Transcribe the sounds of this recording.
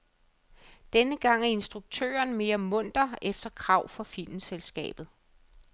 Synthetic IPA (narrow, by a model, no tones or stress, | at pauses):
d̥enəɡ̥ɑ̈ŋ̰æe̝nsd̥ʁuɡ̥̚t͡sʰø̰ːɐnme̝ːɐmɔ̽n̰d̥ɐefd̥ɐkʰʁɑ̈ʊ̰fɒ̽fil̰mn̩selsɡ̥ɛ̰ːb̥ð̞̩ˠ